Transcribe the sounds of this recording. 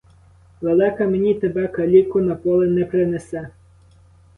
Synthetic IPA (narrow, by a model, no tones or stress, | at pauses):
ʋelˠɛkɐmenʲit̪ebɛkɐlʲikʊnɐkɔlˠɪnɛpɾɪnesɛ